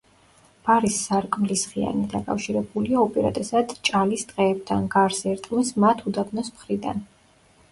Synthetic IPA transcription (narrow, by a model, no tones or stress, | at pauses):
b̥aɾisːaɾkʼmlisʁia̰nid̪akʼa̰fʃiɾɛbuliaɔpʼɛɾa̰d̪ʼɛsad̪̥t͡ʃʼalist̪ʼqʼɛːb̚t̪ʰanɡaɾsɛɾt̪ʼmismat̪ʰud̪abnɔsmχɾid̪a̰n